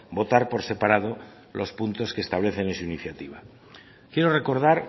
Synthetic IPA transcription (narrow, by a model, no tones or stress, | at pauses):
bo̞t̪aɾpo̞ɾse̞paɾaðo̞ | lʔo̞spunt̪o̞skest̪aβ̞le̞θe̞nensuiniθjat̪iβ̞a | kje̞ɾo̞re̞ko̞ɾðaɾ